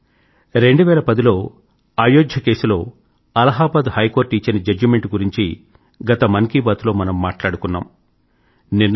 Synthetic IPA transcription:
ɾe̞ɳɖuʋɛːlɐpɐd̪ilo̞ː | aːjoːɡʱjɐke̞ːsulo̞ː | ɐlɐɦaːbaːd̪hɐjko̞ːɾʈːiːt͡ʃːɐnɐd͡ʒɐd͡ʒme̞ɳʈɡuɾiɲt͡ʃi | ɡɐt̪ɐmɐnkibaːt̪lo̞ːmɐnɐmːaːʈlaːɽukunːa̰ːm | ninː

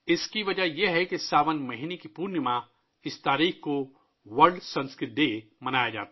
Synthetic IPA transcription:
ɪskiʋɐd͡ʒajeɦɛkesaːʋənmɐɦinekipuːɾnəmã | ɪst̪aːɾiːxko | ʋɐɾɖsɐ̃nskɾɪt̪̚d̪emɐnaːjad͡ʒa̰ːt̪a

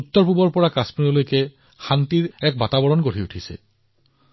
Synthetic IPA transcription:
ut̪ːɔɹpubɔɹpɔɹakaspinɔlojkɛ | xantiɹɛk̚batabɔɹɔnɡoɹiutʰisɛ̰

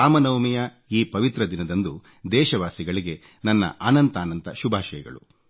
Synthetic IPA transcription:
aːmɐnɐwmijɐ | iːpɐʋit̪ɾɐd̪inɐd̪ɐnd̪u | d̪ɛːʃɐʋaːsiɡɐɭiɡe̞ | nɐnːɐ̰ʔaːnɐnt̪aːnɐnt̪ɐʃubʱaːʃɐjɐɡɐ̰ɭṵ

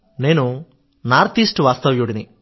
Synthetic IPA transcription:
ne̞ːnu | naːɾt̪isʈʋaːst̪ɐʋjoːɽini

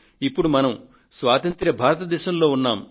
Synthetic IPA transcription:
ipːuɽumɐnɐm | sʋaːt̪ɐnt̪ɾɐbʱaːɾɐt̪ɐd̪ɛːʃɐmlo̞ːunːaːm

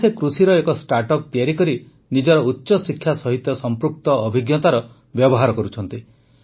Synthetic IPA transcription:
sekɾusiɾɔekɔsʈaɾʈɔk̚p̪iaɾikɔɾi | nid͡ʒɔɾɔutːʃɔsikʰːjasɔɦit̪jɔsɔmpɾuk̚t̪ɔːbʱiɡjɔt̪aɾɔ | bjɔbɔɦaɾɔkɔɾut͡ʃʰɔnt̪i

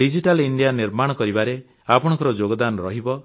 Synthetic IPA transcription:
ɖid͡ʒiʈaliɳɖijaniɾmaɽ̃ɔkɔɾibaɾe | apɔɽ̃ɔŋkɔɾɔd͡ʒoɡɔd̪anɾɔɦibɔ

